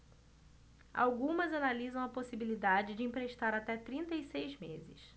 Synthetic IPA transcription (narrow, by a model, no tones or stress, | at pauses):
a̰wɡũmɐzanalizɐ̃w̃ɐposibilid̪ad͡ʒɪd͡ʒɪĩpɾeʃt̪aɾat̪ɛt̪ɾĩnt̪ɐisejzmezɪs